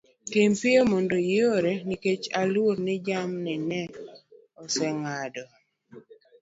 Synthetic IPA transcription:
tempɪomondoɪoɾeniket͡ʃalwoɾnɪd͡ʒamnɛnɛ | ɔsɛŋadɔ

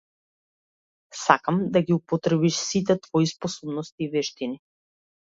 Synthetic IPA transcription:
sakamd̪aɡiupɔt̪ɾɛbiʃsit̪̬ɛt̪vɔispɔsɔbnɔst̪iːvɛʃt̪ini

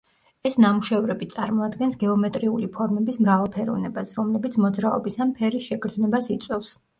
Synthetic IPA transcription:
ɛsnamuʃɛvɾɛbit̪sʼaɾmɔad̪ɡɛnsɡɛɔmɛt̪ʼɾiulipʰɔɾmɛbismɾavalˠpʰɛɾɔ̰vnɛbasɾɔmlɛbit̪sʰmɔd̪zɾaɔ̰bisanpʰɛɾisʃɛkʰɾd̪znɛbasit̪sʼwɛfs

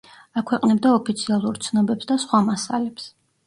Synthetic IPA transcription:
akʰwɛqʼnɛb̚d̪aɔpʰit̪sʰialˠuɾt̪sʰnɔbɛpsd̪asχwamasalɛps

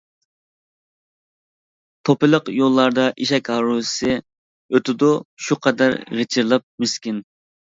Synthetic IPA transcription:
t̪ʰopɨlˠəqjolˠːɑɾd̪ɑʔiʃɛkʲɦɑɾusɨ | øt̪ʰɪd̪uʃuqʰɑd̪æ̰ɾʁet͡ʃʰɪɾlˠɑp̚myskʲin

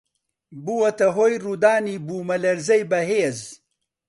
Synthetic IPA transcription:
buwɐt̪ɐɦoːjruːd̪aːniːbuːmɐlɐɾzɐjbɐɦeːz

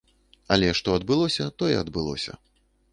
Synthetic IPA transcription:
ɐlʲɛʂt̪ɔɐd̪bɨlˠɔsʲɐt̪ɔjɛ̰ɐd̪bɨlˠɔ̰sʲɐ̰

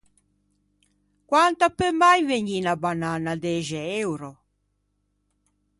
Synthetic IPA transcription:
kwant̪apømajveɲinabananad̪ɛʒɛewɾɔ

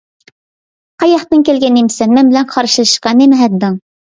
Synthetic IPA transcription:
qʰɑjɑχt̪ɨnkʲɛlɡʲɛnimsɛnmɛnbɪlɛnqʰɑɾʃɨɨʃqɑnemɛɦɛd̪ːɨŋ

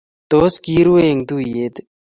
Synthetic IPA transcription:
t̪oːskiːɾueŋd̪uːjed̪

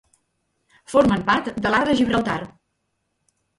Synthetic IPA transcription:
foɾməmpaɾt̪d̪əlaɾðəʒiβɾəlˠt̪ar

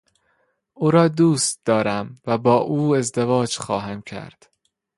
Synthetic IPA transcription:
ʔuːɾɒːd̪uːst̪̚d̪ɒːɾæmvæbɒːʔuːe̞zd̪evɒːd͡ʒxɒ̰ːɦæmcʰæ̰ɾd̪̥

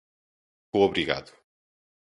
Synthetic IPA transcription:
ooβɾiɣa̰ðu̥

